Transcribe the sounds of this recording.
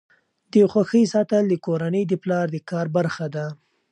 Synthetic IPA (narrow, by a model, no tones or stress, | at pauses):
d̪̥əjxwaxəjsɑt̪əld̪əkoɾanəjd̪əplɑɾd̪əkɑɾbaɾxad̪a